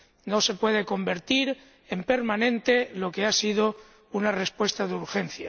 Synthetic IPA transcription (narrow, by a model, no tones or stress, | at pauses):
no̞se̞pwe̞ð̞e̞ko̞mbe̞ɾt̪iɾ | empe̞ɾmanẽ̞nt̪e̞lo̞ke̞asið̞o̞ | unarespwe̞st̪aðuɾxe̞n̟θja̰